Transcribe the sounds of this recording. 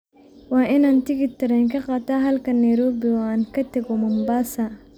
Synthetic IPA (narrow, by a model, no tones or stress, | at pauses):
wɑːʔɪnaːnt̪ʰɪɡɪt̪ʰɪɾɛjŋkʰɐqɑːt̪aːɦɐlkʰɐnːɐjɾɔːbɪɔaːnkʰɐt̪ʰɐɡɔmɐmbaːsɐ